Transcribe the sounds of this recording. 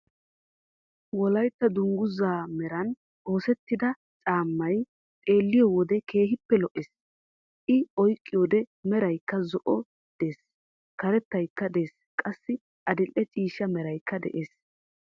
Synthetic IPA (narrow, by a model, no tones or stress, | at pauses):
wɔlɐjt̪ːɐd̪ʊŋɡʊzaːmɛɾɐn | o̞ːsɛt̪ːɪd̪ɐ | t͡sʼaːmːɐj | t̪ʼe̞ːlːɪjɔwɔd̪ɛke̞ːhɪpːɛlɔʔes | ʔɪɔjkʼːɪjod̪ɛmɛɾɐjkːɐzɔʔɔ | d̪̥e̞ːs | kɐɾɛt̪ːɐjkːɐd̪eːs | kʼɐsːɪ | ʔɐd̪ɪlʔːɛt͡ʃʼiːʃːɐmɛɾɐjkːɐd̪ɛ̰ʔeːs